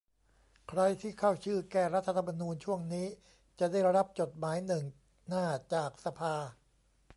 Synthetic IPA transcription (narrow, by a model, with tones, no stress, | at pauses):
kʰɾa˧jt̪ʰiː˥˩kʰa˥˩wt͡ɕʰɯː˥˩kɛː˨˩ɾa˦˥t̪ʰːa˧t̪ʰa˧ma˧nuː˧nt͡ɕʰu˥˩əŋniː˦˥ | t͡ɕa˨˩da˥˩jɾa˦˥p̚t͡ɕo˨˩t̪̚maː˩˦jnɯ˨˩ŋ | naː˥˩t͡ɕaː˨˩k̚sa˧pʰaː˧